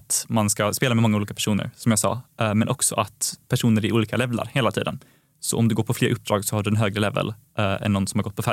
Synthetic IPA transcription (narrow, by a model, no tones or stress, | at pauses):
t̪manskaspeːlamɛmɔŋːuliːkapʰæʂuːnə̰ɾsɔmjɑːsɑ̰ːmɛnʔɔksɔʔat̪pʰæʂuːnəɾɪʔuːliːkalɛvla̰ɾheːlat̪ʰḭːd̪ən | sɔ̰ʔɔmd̪ɛɡoːɾpʰɔfleːɾʔɵp̚ːd̪ɾɑːɡsɔhaɖɵɛnɦøːɡɾəlɛvə̰l | ɛ̰nːɔnsɔmhaɾɡɔt̪pʰɔfæ